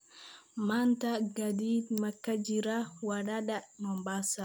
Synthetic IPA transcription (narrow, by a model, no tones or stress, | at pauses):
mantaɡadidmakːad͡ʒiɾawaɗaɗamambasa